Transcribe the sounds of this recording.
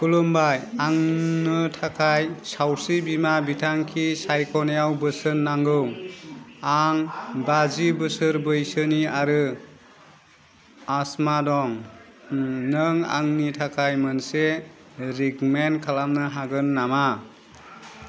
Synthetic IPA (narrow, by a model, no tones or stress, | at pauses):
kulumbajaŋnɯtʰakʰajsawsibimabitʰaŋkʰisajkʰɔnejawbɯsɯnːaŋɡɯw | aŋbazibɯsɯɾbɯjsɯniaɾɯ | asmadɔŋ | nɯŋa̰ŋnitʰakʰajmənse | ɾiɡmenkʰalamnɯɦaɡɯnːama